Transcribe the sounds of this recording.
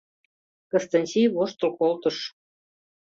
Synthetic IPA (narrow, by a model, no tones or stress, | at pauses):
kə̆st̪ɑnʲsʲijβoʃt̪ɤ̆lkolt̪ɤ̆ʃ